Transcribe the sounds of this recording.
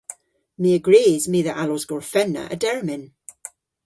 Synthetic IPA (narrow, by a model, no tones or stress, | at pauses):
miːəɡɹiːzmiðəʔalɔzɡɔɹfɛnə̰ʔə̰dɛɹmɪn